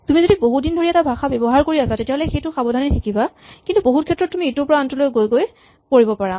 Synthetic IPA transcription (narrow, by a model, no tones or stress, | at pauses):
tumizodiboɦudindʱoɹiɛtabʱaxabjɔbɔɦaɹkoɹiasatetiaɦɔlɛxejtʊxabɔdʱanɛtʰikiba | kintuboɦutkʰɛtːɹɔt̚tːumietʊɹpɔɹaantɔlojɡojɡoj | koɹibɔpaɹa